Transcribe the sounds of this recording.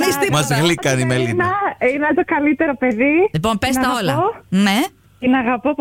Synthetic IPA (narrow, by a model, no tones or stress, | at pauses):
ist̪imɐzɣlikɐnimelinɐinɐt̪okɐlit̪e̞ɾope̞ðilipo̞mpest̪ɐolɐone | t̪inɐɣɐpop